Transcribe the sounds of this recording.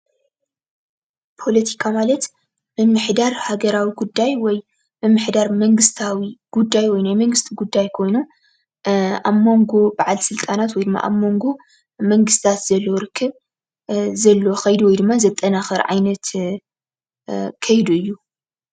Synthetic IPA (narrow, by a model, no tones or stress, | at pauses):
pʰo̞lɐt̪ʰikʰamalɐt̪ | mɨmːɨħd̪aɾhaɡɐɾawiɡud̪ːajwɔj | mɨmːɨħd̪aɾmɐŋɡɨst̪ʰawiɡ̥ud̪ːajwɔjnajmɐŋɡɨst̪ʰiɡud̪ːajkʰo̞jnu | aβmo̞ŋɡo̞baʕalsɨlt̪ʼanat̪wɔjd̪ɨmːa̰ʔa̰βmo̞ŋɡo̞ | mɐŋɡɨst̪ʰat̪z̥ɐlːoɾɨkʰːɨβ | zɐlːoxɐjd̪uwɔjd̪ɨmːazɐt̪ʼːɐnaxɐɾʕa̰jnɐt̪ | kʰɐjd̪uɨjːu